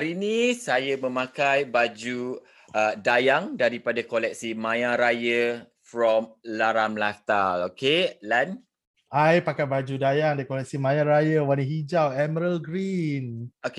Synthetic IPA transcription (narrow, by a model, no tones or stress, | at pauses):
aɾinisajəmə̃mãkajbad͡ʒu | ədajaŋdaɾipadakolɛk̚simãjaɾajə | fɾɔmlaɾamlat̪a̰lokelan | ajpakajbad͡ʒudajaŋdajkolɛk̚simãjaɾajəwaniɦid͡ʒawɛməɾəlɡɾinoke